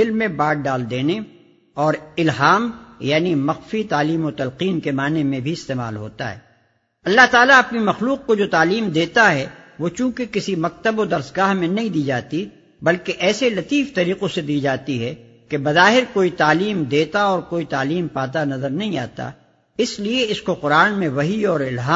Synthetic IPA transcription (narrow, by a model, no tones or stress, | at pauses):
ɪlmẽbaːʈ̚ɖaːld̪eːne | ɔːɾɪlɦaːmjaːnimɐxfit̪aːliːmot̪ɐlqiːnkemaːnemẽbʱiɪst̪eːma̰ːlɦo̰ːt̪a̰ɦɛ̰ː | ɐlːaɦt̪aːlaɐpnimɐxluːq̚kod͡ʒoːt̪aːliːmd̪eːt̪aɦɛʋot͡ʃũːkekɪsimɐk̚t̪əbod̪ɐɾsɡaːɦmẽnɐɦĩd̪iːd͡ʒaːt̪i | bɐlkeʔɛːselɐt̪iːft̪ɐɾiːqõsed̪iːd͡ʒaːt̪iɦɛ | kebɐzaːɦɪɾkoːit̪aːliːmd̪eːt̪aɔːɾkoːit̪aːliːmpaːt̪̬anɐzəɾnɐɦĩaːt̪a̰ | ɪslieɪskoqʊɾaːnmẽʋɐɦiɔːɾɪlɦaː